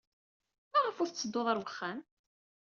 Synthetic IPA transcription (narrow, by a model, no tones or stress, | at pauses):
mæʁəfʊɾθt͡sːəd̪ːoðˤəɾwəχːæn